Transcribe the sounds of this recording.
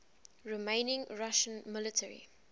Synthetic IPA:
ɹimẽɪnɪ̃ŋɹaʃə̃nmɪlɪtʰɛɹḭ

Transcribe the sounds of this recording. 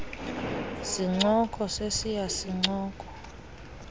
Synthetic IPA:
siŋ͡ǀɔkʰʼɔsesijasiŋ͡ǀɔːkʼɔ̥

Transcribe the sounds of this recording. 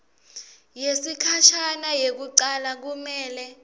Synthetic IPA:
jesikʰat͡ʃʰanajek̬uǀalak̬umɛːlɛ

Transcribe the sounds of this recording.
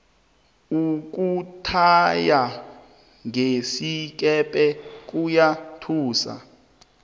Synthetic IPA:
uk̬utʰaja | ŋesik̬ʼɛpʼɛk̬ʼujatʰuːsa̰

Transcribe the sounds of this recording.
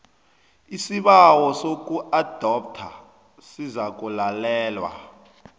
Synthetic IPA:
isiɓawɔsok̬ʼuʔad̥ʱɔp̚tʰa | sizak̬ʼulalɛːlwa̰

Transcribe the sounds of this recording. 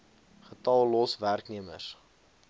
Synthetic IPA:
χətɐlˠlɔsværkniəmə̰s

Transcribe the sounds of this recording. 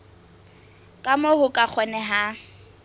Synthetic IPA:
kʼamohʊkʼak͡xʰɛnɛɦa

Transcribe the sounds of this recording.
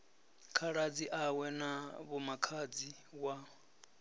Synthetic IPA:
kʰaɺad͡ziʔawɛnaβumakʰad͡zi | wa

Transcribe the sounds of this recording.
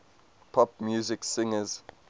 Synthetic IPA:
pʰɔp̚mjuːzɪksɪ̃ŋəz̥

